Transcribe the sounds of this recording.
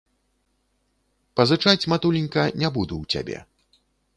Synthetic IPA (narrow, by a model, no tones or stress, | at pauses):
pɐzɨt͡ʂat͡sʲmat̪ulʲinʲkɐnʲabud̪uwt͡sʲa̰bʲɛ̰